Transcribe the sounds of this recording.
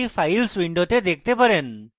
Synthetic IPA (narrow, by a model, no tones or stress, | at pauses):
ifʰajlswiɳɖot̪ed̪ek̚t̪epaɾen